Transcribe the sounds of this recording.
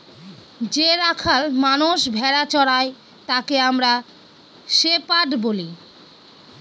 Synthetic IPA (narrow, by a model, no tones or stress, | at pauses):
d͡ʑeɾakʰalmanuʃbʱɛɾat͡ɕɔɽae | t̪akeamɾa | ʃepaʈboli